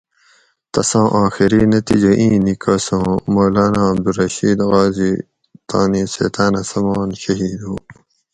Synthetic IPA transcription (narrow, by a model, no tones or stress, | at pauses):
t̪ɐsãːʔãːxiɾinɐt̪ḭd͡ʑɐʔĩːnikʰɐːsõmoːlaːnaːmd̪uɾɐɕiːd̪ɣaːzi | t̪aːnisḛːt̪aːnɐsɐmaːnɕɐɦiːd̪õː